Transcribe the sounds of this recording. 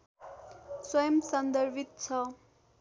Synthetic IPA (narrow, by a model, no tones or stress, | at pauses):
swʌjʌmsʌnd̪ʌɾbʱit̪̚t͡sʰʌ